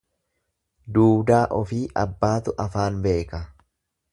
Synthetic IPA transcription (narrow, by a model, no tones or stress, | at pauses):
d̪uːbd̪aːʔɔfiːʔɐbːaːt̪ʊʔɐfaːnbe̞ːkɐ